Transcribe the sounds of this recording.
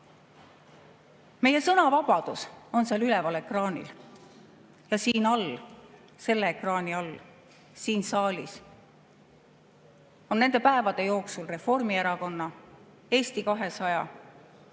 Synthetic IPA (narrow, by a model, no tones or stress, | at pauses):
me̞je̞sɤnɑvɑb̥ɑd̪̥uso̞nseɑlylevɑle̞krɑːnʲḭl | jɑsiːnɑl | se̞lːeekrɑːniɑl | siːnsɑːlʲis | o̞nːe̞nd̪epæe̞vɑd̪̥e̞jo̞ːksulre̞fo̞rmieɾɑko̞nːɑ | e̞ːst̪ikɑɦe̞sɑjɑ̰